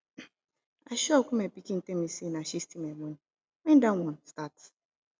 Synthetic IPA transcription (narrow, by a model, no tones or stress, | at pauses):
aʃɔkʷumepikin̩temisinaʃistimeɡ͡boɲ | wĩndawɔ̃nstat